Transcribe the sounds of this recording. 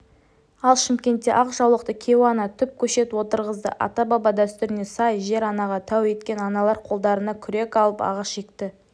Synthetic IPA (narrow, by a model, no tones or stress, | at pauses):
ɑlˠʃɪmkʲe̞nt̪ːe̞ʔɑqʒ̥ɑwlˠəqt̪əkʲʰe̞wɑnɑt̪ʰʏp̚kʲʰɵʃe̞t̪wo̞t̪əɾʁəzd̪ə̰ʔɑ̰t̪ɑbɑbɑd̪æst̪ʏɾɪne̞sɑjʒe̞ɾɑnɑʁɑt̪ʰæwe̞t̪kʲe̞nɑnɑlˠɑɾqʰo̞lˠd̪ɑɾənɑkʲʰʏɾe̞kɑlˠəpɑ̰ʁɑʃʃe̞kt̪ɪ